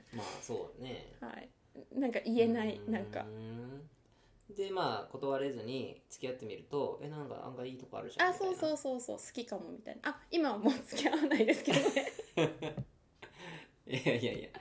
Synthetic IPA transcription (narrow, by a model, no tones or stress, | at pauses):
ma̰ːso̞̰ːne̞̰ha̰ḭ | nãŋkaʔie̞nainãŋka̰ | d̪e̞maːko̞t̪o̞βaɾe̞zɨɲ̟it͡sɨ̥kʲijat̪ːe̞mʲiɾɯ̟t̪o̞ḛnãŋka̰ã̰ŋɡaiːt̪o̞ko̞a̰ɾɯ̟ɕaaso̞ːso̞ːso̞ːso̞̰ːsɨ̥kʲikamo̞mʲit̪a̰inaʔaimamoːt͡sɨ̥kʲiaβanaid̪esɨ̥ke̞d̪o̞ne | jajaijaḭja̰